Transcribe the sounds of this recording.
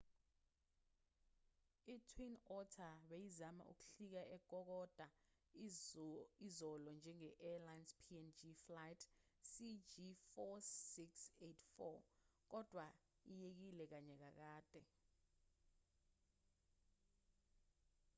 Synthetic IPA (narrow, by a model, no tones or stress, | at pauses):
itʰwinɔtʰaɓejizama̰ʔṵk̬u̥ɬik̬aʔɛɡ̥ʱɔk̬ɔd̥ʱa | izɔlɔnd͡ʒʱɛŋɛʔɛlajnspʰiɛnd͡ʒiflajtʰ | sid͡ʒifɔsiksetʰfɔ̰k̬ɔd̥ʱwa | ijek̬ilɛk̬aɲɛk̬ak̬aːd̥ʱʼɛ